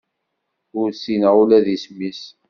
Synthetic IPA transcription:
ʊɾsinəʁulæðismis

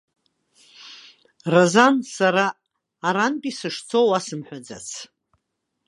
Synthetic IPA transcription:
razansaɾaː | ɾantʼisɨʂt͡sʰowasɨmħʷᶣad͡za̰t͡sʰ

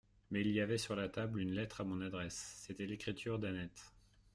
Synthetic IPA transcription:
mɛiliavɛsyʁlat̪ablynlɛt̪χamɔ̃nad̪ʁɛsːet̪ɛlekχit̪ʰyʁd̪anɛt̪

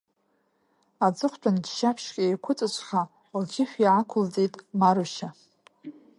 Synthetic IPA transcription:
ad͡zʼɨχʷt͡pʷʰʼandʃapʰʃkʲʼejkʷʰʊt͡sʼɨt͡ʃʷʰʼχa | lt͡ʃʰɪħᶣiʕakʷʰʊld͡zʼitʼmaɾuʃa

